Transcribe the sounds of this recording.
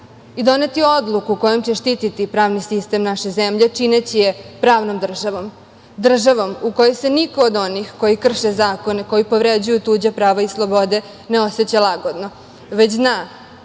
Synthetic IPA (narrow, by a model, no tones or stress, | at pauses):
id̪o̞ne̞t̪io̞d̪lˠukuko̞jo̞mt͡ɕe̞ʃt̪it̪it̪ipɾaːʋnisist̪e̞mnaʃezemʎet͡ʂinet͡ɕijepɾaːʋnomd̪r̩ʒaʋom | d̪r̩ʒaʋo̞muko̞jeseniko̞ːd̪o̞nixko̞jikr̩ʃezaːko̞neko̞jipo̞ʋɾed͡ʑujut̪uːd͡ʑapɾaːʋaislˠo̞bo̞d̪e̞ | neo̞set͡ɕalaɡo̞d̪no̞ | ʋet͡ɕznaː